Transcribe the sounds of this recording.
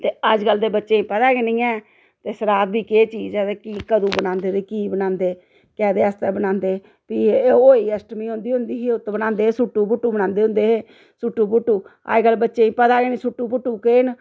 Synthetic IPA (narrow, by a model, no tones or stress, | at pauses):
t̪eːəd͡ʒɡəld̪eːbətːʃeːĩːpəd̪aːɡenĩːɛː | t̪eːsəɾaːt̪̚biːkeːt͡ʃiːd͡ʒɛːd̪eːkiːkəd̪uːbənãːnd̪eːɾiːkiːbənãːnd̪eː | kɛːd̪eːast̪ɛːbənãːnd̪eː | piːoːiːəsʈmiːɦõːnd̪iːɦʊ̃nd̪iːɦeːʊt̪bənãːnd̪eːsʊʈːuːbʊʈːuːbənãːnd̪eːɦʊ̃nd̪eːɦeː | sʊʈːuːbʊʈːuːa̰d͡ʒɡəlbətːʃeːĩːpəd̪aːɡeːnĩːsʊʈːuːbʊʈːuːkeːn